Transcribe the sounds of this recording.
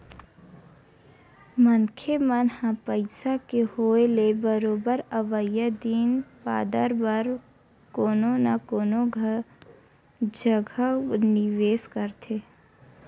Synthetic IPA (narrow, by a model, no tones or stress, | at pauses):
mənkʰemənhãpəɪsakehoːelebəɾoːbəɾəʋəjəd̪iːnpa̰ːd̪əɾbəɾ | koːnonakoːnoɡʱə | d͡ʒəɡʱanɪʋeːskəɾt̪ʰe